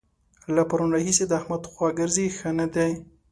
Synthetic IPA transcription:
lapaɾunɾahised̪əahmad̪xwaɡəɾzixənad̪aj

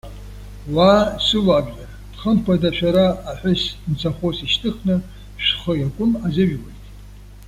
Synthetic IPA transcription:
waːsɨlaːbʕa | d̥χəmpʰadaʃᶣaɾaːħʷᶣʊsnt͡sʰaχʷosiʃtʰɨχnɨ | ʃχəjakʷʼʊmazɪʒᶣwajtʼ

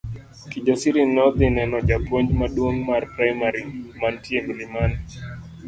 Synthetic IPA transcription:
kid͡ʒɔsiɾinɔðinɛnɔd͡ʒapɔɲd͡ʒmaɗunmaɾpɾajmaɾimantiɛɡulimani

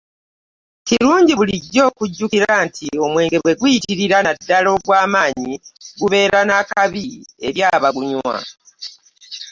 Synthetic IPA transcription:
ciɾuːɲɟiβuliɟːo̞ːkuɟːukiɾantʰio̞mwe̞ːŋɡe̞βwe̞ɡwiitiɾiɾanadːalo̞ɡwaːmaːɲiɡuβe̞ːɾanakaβie̞ɾjaːβaɡuɲwa̰

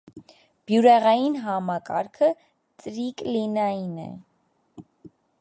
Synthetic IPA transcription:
b̥juɾɛʁɑjinɦɑmɑkɑ̰ɾkʰə | t͡sɾiklinɑjinɛ̰

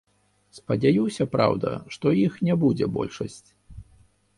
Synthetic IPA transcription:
spɐd͡zʲajuwsʲɐpɾa̰wd̪ɐ̰ʂt̪ɔjixnʲɛbud͡zʲɛ̰bɔ̰lʲʂɐsʲt͡sʲ

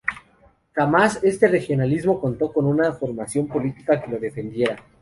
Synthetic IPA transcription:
xamase̞st̪e̞re̞xjo̞nalizmo̞ko̞nt̪o̞ko̞nũnafo̞ɾmasjo̞mpo̞lit̪i̥kake̞lo̞ðe̞fe̞nd̪je̞ɾa

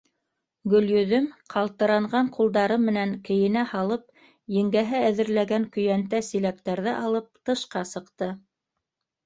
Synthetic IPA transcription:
ɡɵ̆ljɵ̆ðɵmqʰɑlˠt̪ɤ̆ɾɑɴɢɑɴqʰulˠd̪ɑɾɤmːɘ̆næŋkɘ̆jɘ̆næhɑlˠɤp̚ | jɘ̆ŋɡæɦɘæðɘ̆ɾlæɡæŋkɵ̆jænt̪æsilæk̚t̪æɾðɘʔɑlˠɤp̚t̪ɤ̆ʃqɑsɤ̆qt̪ɤ

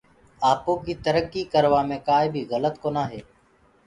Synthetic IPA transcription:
aːpõːkiːt̪əɾəkːiːkəɾʋaːmẽːkaːiːbʱiːɣələt̪koːnaːɦeː

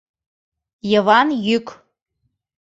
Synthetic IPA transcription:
jəvɑnjyk

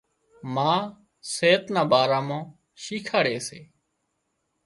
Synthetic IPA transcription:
mãː | seːt̪nãːbaːɾaːmãː | ʃiːkʰaːɽeːsḛː

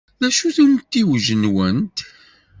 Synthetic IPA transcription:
ðæʃuθunt̪ːiwʒənwənt̪

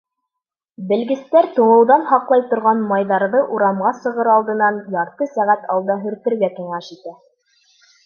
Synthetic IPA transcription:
bɘ̆lɡɘ̆st̪æɾt̪uɴɤ̆wðɑnhɑqlˠɑjt̪ŏɾʁɑnmɑjðɑɾðɤʔuɾɑmʁɑsɤ̆ʁɤɾɑlˠd̪ɤ̆nɑnjɑɾt̪ɤsæʁæt̪ɑ̰lˠd̪ɑɦɵ̆ɾt̪ɘ̆ɾɡækiŋæʃit̪æ

